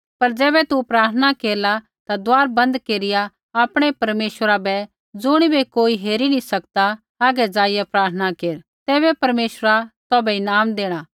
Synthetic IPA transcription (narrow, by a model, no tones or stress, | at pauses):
pɐɾd͡ʒɛːbɛt̪upɾaːɾt̪ʰənakeːɾla | t̪ad̪ʊaːɾbɐ̃nd̪keːɾɪja | aːpɽ̃ɛpɐɾmeːʃwəɾabɛ | d͡zʊɽ̃ibekoːiɦeːɾinĩsɐk̚t̪aː | ɡɛd͡ʒaːɪjapɾaːɾt̪ʰənakeːɾ | t̪ɛːβɛpɐɾmeːʃɾat̪ɔːbɛɪnaːmd̪eːɽ̃aː